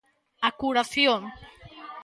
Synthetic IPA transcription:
akuɾaθjoŋ

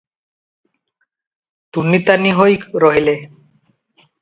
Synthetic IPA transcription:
t̪unːit̪aniɦojkɾoɦile

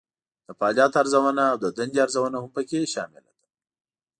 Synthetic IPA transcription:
d̪̥əpɑːlɑːt̪aɾzawanaːwd̪əd̪and͡ʒiaɾzawanahʊmpəkeʃɑ̰mɪ̰la̰d̪̥ḁ

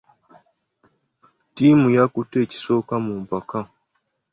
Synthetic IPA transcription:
timujakuteci̥sokamumpaka

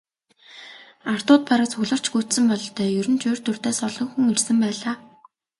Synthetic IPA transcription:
ar̥t̪ʊːt̪̚paɾaːt͡sʰɵɣɮɞ̆r̥t͡ɕɡut̪sɘ̆mpɔɮt̪œːjɵɾɵ̆nt͡ɕuːrt̪ɵ̆r̥t̪eːsɔɮɞ̆ŋxuŋɵrsɘ̆mpæːɮaː

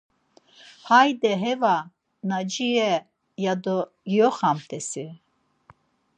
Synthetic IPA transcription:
hajd̪ɛɦɛva | nad͡ʒiɛ | jad̪ɔ | ɡijɔχamt̪ʰɛsi

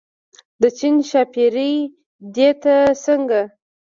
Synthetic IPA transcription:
d̪ət͡ʃinʃɑpiɾəj | d̪et̪asəŋɡa

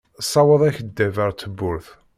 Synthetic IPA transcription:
sˤːɑwəðˤæçəd̪ːævæɾt͡sːəbːʊɾθ

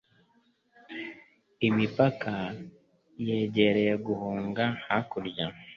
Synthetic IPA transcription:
imipakʰa | jeɟe̞ɾejeɡuhuːŋɡahakuɾɟa

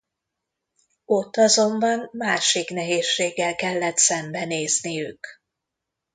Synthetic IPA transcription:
o̞t̪ːɒzo̞mbɒnmaːʃiknɛɦeːʃːeːɡːɛlkɛlːɛt̪sɛmbɛneːznijyk

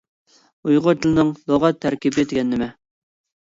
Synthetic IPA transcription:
ujʁʊt͡ʃ̪ʰɪlˠnɨŋlˠoʁɑt̪ʰːæɾkʲibɪd̪ɪɡʲɛnːɪmɛ

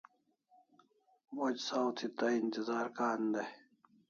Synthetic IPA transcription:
wɐd͡ʑsawt̪ʰit̪ɐint̪izaːɾkaːnd̪ɐ

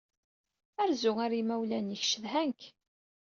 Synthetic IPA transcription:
æɾzʊŋæɾimæwlænjəçʃəðɦæŋk

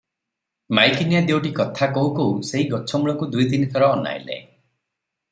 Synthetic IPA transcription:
majkinjad̪ewʈikɔt̪ʰakɔukouseɦiɡɔt͡ʃʰɔmuɭɔŋkud̪ujt̪init̪ʰɔɾɔːna̰j̰lḛ

